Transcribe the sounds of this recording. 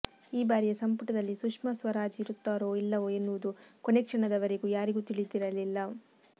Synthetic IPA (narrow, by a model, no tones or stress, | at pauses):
iːbaːɾijɐsɐmpuʈɐd̪ɐlːisukʂmɐsʋɐɾaːd͡ʒiɾut̪ːaːɾo̞ːilːɐʋoːenːuʋud̪ukonekʂɐɳɐd̪ɐʋɐɾe̞ɡuːjaːɾiɡuːt̪iɭid̪iɾɐlilːɐ